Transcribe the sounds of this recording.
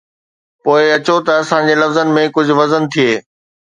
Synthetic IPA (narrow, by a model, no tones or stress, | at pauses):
poːɪɐt͡ɕot̪ɐːsãd͡ʑelɐfzənɪ̆mẽkʊd͡ʑʱʊʋɐzənt̪ʰieː